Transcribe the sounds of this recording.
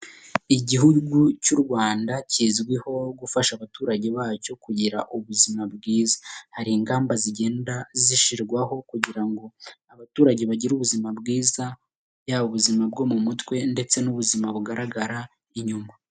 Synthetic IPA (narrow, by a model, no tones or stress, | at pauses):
iɟiɦuɡucuɾɡwaːndaciːzɡwiho̞ɡufaʃaβatuːɾaɟe̞βaːco̞kuɟiɾaʔuβuzimab̚ɡiːzḁhaɾiːŋɡaːmbaziɟe̞ːndaziʃiɾɡwaɦo̞kuɟiɾaŋɡo̞aβatuːɾaɟe̞βaɟiɾuβuzimabɡiːza | bjaβuβuzimab̚ɡo̞ːmumutwe̞nde̞t͡se̞nuβuzimaβuɡaɾaɡaɾa | iɲuma